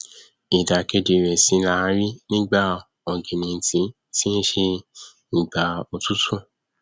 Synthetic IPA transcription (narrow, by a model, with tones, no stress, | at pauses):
i˨da˨ke˧de˨ɾɛ˨sĩ˧˦na˨˧˦ɾi˦nĩ˦ɡ͡ba˦˨ | ɔ˨ɡĩ˨nĩ˨˧n̩˨tĩ˧˦ | tĩ˦n̩˦ʃe˧ | n̩˨ɡ͡ba˨o˨tu˦tũ˦˨